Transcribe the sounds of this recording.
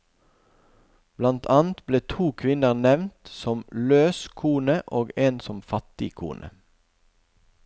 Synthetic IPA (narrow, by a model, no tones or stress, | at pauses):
b̥lɑnt̪ʰɑːnt̪bleːt̪ʰuːkʰʋɪnəʁnɛʋnt̪sɔmløːskʰuːnəʔoːɡeːnsɔmfɑt̪ɪkʰṵːnʔə̰